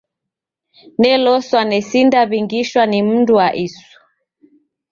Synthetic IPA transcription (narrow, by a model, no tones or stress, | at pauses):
nɛlɔswanɛsindaβiŋɡiʃwanim̩nduaʔisu̥